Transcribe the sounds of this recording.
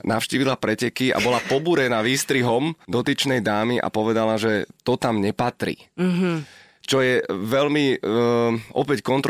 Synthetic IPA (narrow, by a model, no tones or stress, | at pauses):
naʊʃciːʋilapɾɛcɛkia̰bɔlapɔbuɾɛnaʋiːst̪ɾiɦɔmd̪ɔt̪it͡ʃnɛjd̪aːmiʔa̰pɔʋɛd̪alaʒɛt̪ɔt̪amɲɛpat̪ɾḭ | t͡ʃɔjɛʋɛlmi | ɔpɛckɔnt̪ɾ